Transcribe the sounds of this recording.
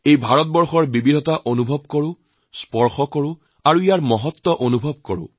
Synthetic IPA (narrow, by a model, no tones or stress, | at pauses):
ejbʱaɹɔt̚bɔɹxɔɹbibidʱɔtaʔonubʱɔbkoɹʊ̃ | spɔɹxɔkɔɹʊ̃ | aɹuijaɹmɔɦɔt̪ːɔʔonubʱɔb̚kɔɹʊ̰̃